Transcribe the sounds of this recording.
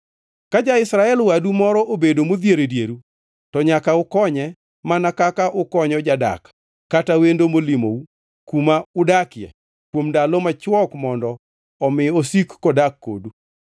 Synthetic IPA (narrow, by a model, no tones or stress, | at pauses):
kad͡ʒaɪsɾaɛlwadumɔɾɔʔobedomod̪jeɾedjeɾu | tɔɲakaʊkɔɲɛ | manakakaʔʊkɔɲɔd͡ʒada̰kː | atawendomolimo̰u | kumaʊdakɪjɛ̰ | kwomndalɔmat͡ʃwɔkmɔndɔː | mɪosikːɔdakːo̰du